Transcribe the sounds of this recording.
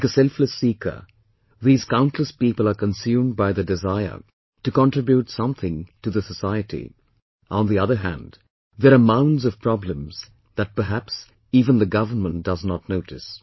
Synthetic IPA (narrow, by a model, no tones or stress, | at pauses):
kəsɛlˠfləsikʰə̰˞ | ðiːz̥kãʊ̃ntʰləspipəl̩ˠəkə̃nsjũmd̚baɪðɨdɪzaɪə̰˞ | tɨkə̃ntɹ̥ɪbjutsʌ̃mθɪ̃ŋtɨðəsəsaɪɨɾḭ | ʔɔ̃nðiʌðə˞ɦæ̰̃nd | ðəɾəmãʊ̃ndzʌv̥pʰɹ̥ɑblə̃mz̥ | ðət̚pə˞ɦæps | iːvə̃nðɨɡʌvənmə̃nt̚d̥ʌznətⁿnoʊɾɨs